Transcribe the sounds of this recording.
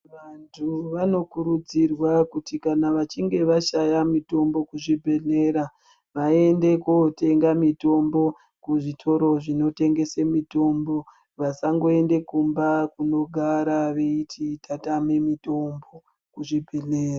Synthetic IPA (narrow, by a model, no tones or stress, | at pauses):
ʋantʰuʋano̞kuɾud͡zirwakutikanaʋat͡ʃiŋɡe̞ʋaʃajamito̞mbo̞kuʐibʱe̞ɮe̞ɾa | ʋae̞nde̞kote̞ŋɡamito̞mbo̞ | kuʐitʰo̞ɾo̞ʐino̞te̞ŋɡe̞semito̞mbo̞ | ʋasaŋɡo̞e̞nde̞kumbakuno̞ɡʱaɾaʋeitʰitʰatamemito̞mbo̞ | kuʐibʱe̞ɮeːra